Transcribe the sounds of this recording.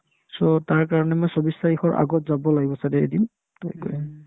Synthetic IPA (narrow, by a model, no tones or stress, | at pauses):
sɔtaɹkaɹɔnɛmojsɔbisaixɔɹʔa̰ɡɔtzabɔlaɡibɔsadɛḛdim | tɔkɔ̰j